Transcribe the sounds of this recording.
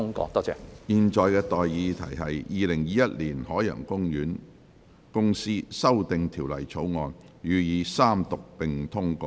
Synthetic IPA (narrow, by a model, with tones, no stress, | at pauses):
ŋkɔ̰ː˧t̪ɔː˥t͡sɛ̰ː˧˨jiː˧nt͡ʃɔː˨jkɛː˧t̪ɔː˨jːiː˨˧t̪ʰɐ˨˩jɦɐ˨jjiː˨˧lɪ˨˩ŋjiː˨˧jɐ˥t̚liː˨˩nhɔː˨˥jœ̰ː˨˩ŋkʊ˥ŋjyː˨˥n | kʊ˥ŋsiː˥sɐ˥wt̪ɪ˨ŋt̪ʰiː˨˩wlɐ̰˨˩jt͡sʰo˨˥wŋɔː˨˧n | jyː˨˧jiː˨˧saː˥mt̪ʊ˨k̚pɪ˨ŋt̪ʰʊ˥ŋkɔː˧˥